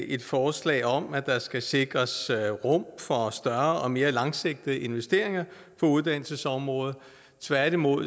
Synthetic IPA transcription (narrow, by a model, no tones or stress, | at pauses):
e̝d̥fɒːslɛ̰ːɒ̽mæd̥ɑ̈sɡ̥æse̝ɡ̥ʁɐsʁɔ̽m̰fɒ̽sd̥ɶɐɒ̽me̝ːɐlɑ̈ŋse̝ɡ̥̚d̥ðəe̝nʋesd̥e̝ɐ̰eŋɐ | fɒ̽uð̞ˠd̥æn̰l̩səsɒ̽mʁɔ̽ːð̞ˠ | t͡sʰʋæɐɾ̥imo̝ð̰ˠ